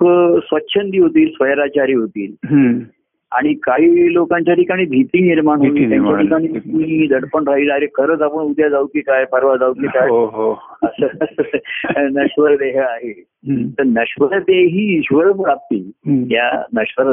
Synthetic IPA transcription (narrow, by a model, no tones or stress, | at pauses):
sʋətːɕʰənd̪iːɦot̪iːlsʋəjɾat͡ɕaɾiːɦot̪iːl | a̰ɽ̃ikaɦiːlokãɲt͡ɕjaʈikaɽ̃iːbʱit̪iːniɾmaɳɦoiːt̪jaɲt͡ɕjaʈʰikaɽ̃iːkuɦid̪əɽpəɳɾaɦilaɾekʰəɾət͡sapəɳud̪jad͡zawt̪ikajpəɾʋad͡zawt̪ikajɦəsə | nəɕʋəɾd̪eɦəaɦe | t̪əɾnəɕʋəɾt̪eɦiːɕʋəɾəpɾap̚t̪ḭːlɦja̰nəɕʋəɾ